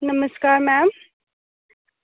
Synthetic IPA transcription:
nəməskaːɾmæːm

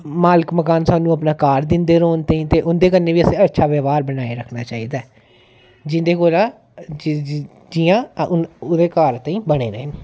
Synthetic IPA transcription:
maːlɪkməkaːnsaːnũːəpnaːkaːɾd̪ɪnd̪eːɾoːnt̪aːĩːt̪eːʔʊnd̪eːk̬əɾnːeːʋiːəsẽːətːʃʰaːʋəːʋaːɾbənaːeɾəkʰnaːt͡ʃaːiːd̪aː | d͡ʒɪnd̪eːkoːɾaː | d͡ʒijãː | d̪eːkaːɾt̪aːĩːbəɽ̃ḛːɾḛːnː

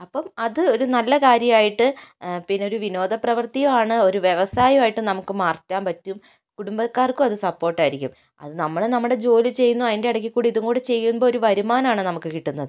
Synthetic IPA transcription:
ɐpːɐmɐðɨo̞ɾunɐlːɐkaːɾjɐmaːjiʈːɨpinːo̞ɾuʋino̞ːd̪ɐprɐʋɐrt̪ijɐmaːɳɨo̞ɾuʋje̞ʋɐsaːjɐmaːjiʈːɨnɐmukːɨmaːrtːaːmpɐtːum | kuɽumbɐkːaːrkuɐðɨsɐpːo̞ːrʈːaːjiɾikʲːum | ɐ̰ðɨnɐmːɐɭenɐmːuɽe̞d͡ʑo̞ːlit͡ɕe̞jːunːuɐðinde̞ɐɽɐk̬ʲːikːuːɽiðuŋoːɽɨt͡ɕe̞jːunboːoɾuʋɐɾumaːnaːɳɨnɐmukːɨkiʈːunːɐðɨ

